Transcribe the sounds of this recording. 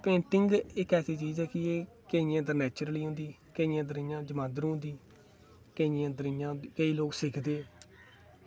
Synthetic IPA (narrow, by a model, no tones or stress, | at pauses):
pẽːɳʈɪŋɡɪkɛːsiːt͡ʃiːzɛːkɪeː | kəiãːd̪əɾnɛːt͡ʃəɾəliːɦõnd̪iː | kəiːãːd̪əɾɪ̃ːjãːd͡ʒəmãːd̪ɾũːnd̪iː | kəiãːd̪əɾɪjãːkəiːloːksɪkʰd̪eː